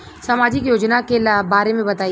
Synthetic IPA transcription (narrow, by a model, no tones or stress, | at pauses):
saːmaːd͡ʒɪkjoːd͡ʒnakelbaːɾemẽbɐt̪aː